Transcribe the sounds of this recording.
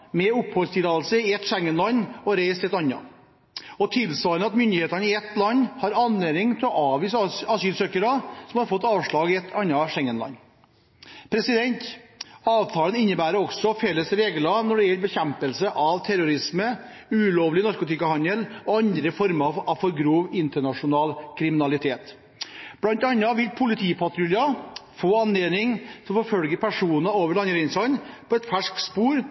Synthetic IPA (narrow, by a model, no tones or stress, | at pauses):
mɛʊphɔlst̪ʰɪːd̪ɑːəlsəɪɛt̪ʂɛŋːənlɑnːɔɾæɪst̪ɛt̪ɑnːɑ̰ | ɔt̪ʰɪlsʋɑːɾənɑt̪mʏnd̪ɪheːt̪ɑnəɪɛt̪ːlɑnːhɑɾɑnleːd̪ɪŋt̪ʰɪlɔʔɑːʋiːsɑsyːlsøːkəɾɑsɔmhɑɾfɔt̪ːɑːʋʂɭɑːɡɪɛt̪ʰːɑnːɑʂɛŋːənlɑ̰nː | pʰɾɛsɪd̪ɛnt̪ɑːʋt̪ʰɑːlənɪnːəbæːɾəɔksɔfɛlːəsɾeːɡlɑnɔɖɛɛɾbɛçɛmpəlsəʔɑʋt̪ʰæɾʊɾɪsmə | ʉloːʋlɪnɔɾkʊt̪ɪkɑhɑnəlɔɑnd̪ɾəfɔɾmɑɑʋfɔɾɡɾuːʋɪnt̪əɳɑʂʊnɑːlkʰɾɪmɪnɑlɪt̪ʰeːt̪ | b̥lɑnt̪ɑnːɑʋɪlpʰʊlɪt̪ʰiːpʰɑt̪ɾʉljɑfoːɑnːeːnɪŋsɔmfɔɾfœlɡəɾpʰæʂuːnɑoːʋəɾɭɑnɡɾɛɪnsɑnpʰɔɛt̪fæʂkspuːɾ